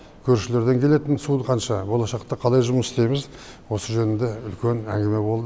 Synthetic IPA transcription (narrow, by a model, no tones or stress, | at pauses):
kʲʰɵɾʃɪle̞ɾd̪e̞ŋkʲʰe̞le̞t̪ɪnsunqʰɑnʃɑbo̞lˠɑʃɑqt̪ɑqʰɑlˠɑjʒʊməsst̪e̞jmɪz | wo̞səʒɵnɪnd̪e̞ʏlkʲe̞næ̰ŋɡʲɪme̞bo̞lˠd̪ə